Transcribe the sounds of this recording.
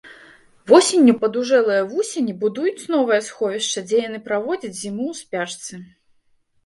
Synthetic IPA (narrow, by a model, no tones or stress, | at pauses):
vɔsʲenʲːupɐd̪uʐɛlˠɐjɐvusʲenʲibud̪ujut͡sʲnɔvɐjɐsxɔvʲiʂt͡ʂɐd͡zʲɛjanɨpɾavɔd͡zʲɐt͡sʲzʲimuwspʲaʂt̪sɨ